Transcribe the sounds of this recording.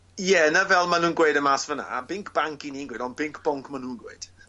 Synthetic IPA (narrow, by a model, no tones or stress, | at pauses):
jɛnəvɛlˠmanũːnɡweɨdəmaːsvəna̰ːbɪŋkʰb̥aŋkiniːnɡweːdɔnbɪŋkʰb̥ɔŋkʰmanuːnɡwḛɨd̥